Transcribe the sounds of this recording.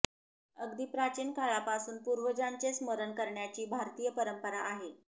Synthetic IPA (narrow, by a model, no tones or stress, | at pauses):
əɡd̪iːpɾat͡ɕiːnkʰaɭapasuːnpuɾʋəd͡ʑant͡sesməɾənkəɾɳjat͡ɕiːbʱaɾt̪iːjəpəɾəmpəɾaʔːɦe